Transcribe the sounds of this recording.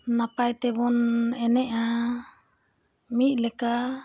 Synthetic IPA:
napajt̪ɛbɔnɛnɛʔa | miʔ̚ˀlɛka

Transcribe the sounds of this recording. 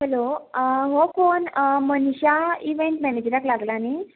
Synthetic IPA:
ɦɛloɦokonmənɕaiʋeɳʈmɛned͡ʑɾaklaɡlani

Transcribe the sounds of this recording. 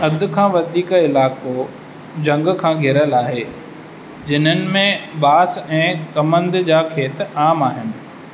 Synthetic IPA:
ɐd̪̆ʱkʰãːʋɐd̪ʱiːkɪlaːko | d͡ʑɐ̃ŋɡkʰãːɡʱɪɾəlaːɦeː | d͡ʑɪn̤ənɪ̆mẽbaːsɛ̃ːkɐmə̃nd̪d͡ʑaːkʰeːt̪aːmaːɦɪnɪ̆

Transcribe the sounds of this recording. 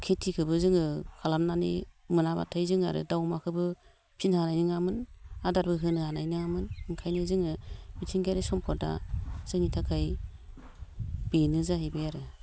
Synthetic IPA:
kʰetʰikʰɯbɯzɯŋɯkʰalamnanḭmɯnaba̰tʰɯjzɯŋa̰ɾɯ̰dawmakʰɯbɯ | pʰinhanajnɯŋamɯnadaɾbɯɦɯnɯhanajnɯŋamɯnɯŋkʰajnɯzɯŋɯbitʰiŋɡaɾesɔmpʰɔɾda̰z̥ɯŋnitʰakʰaj | b̥enɯzaɦajbɯjaɾɯ

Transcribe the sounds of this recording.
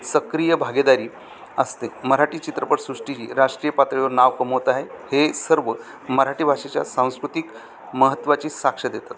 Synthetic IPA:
səkɾijəbʱaɡed̪aɾiː | əst̪eməɾaʈiːt͡ɕit̪ɾəpəʈsɾuʂʈid͡ʑḭːɾaʂʈɾijəpat̪ɾiʋəɾnaʋkəmoʋt̪aɦehesəɾʋə | məɾaʈiːbʱaʂet͡ɕja̰sãw̃skɾut̪ik | məɦət̪ːʋat͡ɕiːsakʂəd̪et̪at̪

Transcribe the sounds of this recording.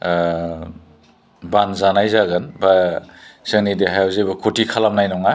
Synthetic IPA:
banzanajzaɡɯnba | sɯŋnidiɦajawzebɐkʰotʰikʰalamnajnɔŋa

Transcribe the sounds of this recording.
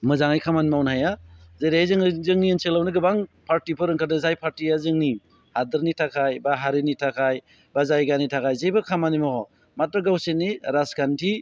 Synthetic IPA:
mɯzaŋajkʰamanmawnajazejɾeajzɯŋzɯŋniɯnsʰelawnɯɡɯbaŋpʰaɾtipʰɯɾɯŋkʰat̚nɯzajpʰaɾtijazɯŋni | hadɯɾnitʰakʰajbaɦaɾinitʰakʰaj | bazajɡanitʰakʰajzebɯkʰamanimɔɔ | matɾɯɡawsenːiɾasɡantʰi

